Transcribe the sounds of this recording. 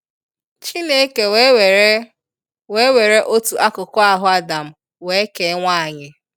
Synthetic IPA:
t͡ʃi˦ne˦ke˨˦ | e˦we˨ɾe˦ʔo˦tu˨ʔa˦kʊ˨kʊ˦a˨ɦʊ˦a˦da˨m̩˦ | we˨˦e˦ke˨˦ŋʷaː˦˨ɲɪ˦

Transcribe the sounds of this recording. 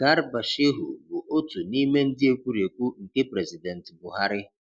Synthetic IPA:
ɡ̥a˦ɾba˨ʃɪ˦ɦʊ̰˨bʊ˨ʔo˦tu˨ni˦me˦n̩˦dɪ˦e˦kʷu˦ɾi˨e˨kʷu˦ŋ̩˨ke˦pɾɛ˨zi˨dɛ˨n̩˨tbʊ˨ɦa˦ɾɪ˦

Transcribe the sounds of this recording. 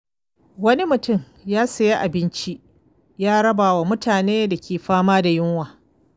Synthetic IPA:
wɐ˦ni˦mʊ˨tʊ˦˨m | jaː˦sɐ˨je˦ʔa˨bɪ˦nt͡ʃi˦ʔ | jaː˦ɽɐ˦baː˨wa˨mʊ˦taː˨neː˦da˨kʲʰeː˨ɸaː˦maː˦da˨jɪ˦ŋwaː˨

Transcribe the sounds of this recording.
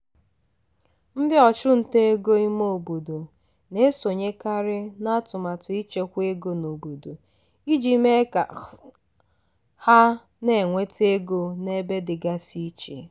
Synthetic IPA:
n̩˦dɪ˦ɔ˨t͡ʃʊ˦n̩˨te˦e˦ɡo˦i˦mo˦˨bo˨do˨ | ne˦so˨ɲe˦ka˦ɾɪ˦na˦tʊ˨ma˨tʊ˨i˦t͡ʃe˦kʷe˦ɡo˨no˨bo˨do˨ | i˦d͡ʒi˨˦me˦ka˨ | ha˦ | ne˨ŋʷe˦te˦ɡo˦ne˦be˦dɪ˨ɡa˦si˦t͡ʃḛ˨

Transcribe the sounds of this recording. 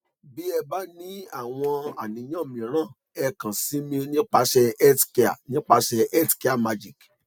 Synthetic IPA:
bi˦ɛ˧ba˦nĩ˦a˦˨w̃ɔ̃˧a̰˨nĩ˨˦j̃ã˦˨mĩ˨ɾ̃ã˦˨ | ɛ˧kã˨si˨˦mĩ˧nĩ˦k͡pa˧ʃɛ˧ɛ˦tki˧a̰˨nĩ˦k͡pa˧ʃɛ˧ɛ˦tki˦a˦˨ma˧d͡ʒi˨k

